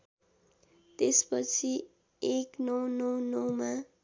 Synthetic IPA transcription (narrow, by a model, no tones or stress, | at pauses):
t̪espʌt͡sʰi | eknʌwnʌwnʌwma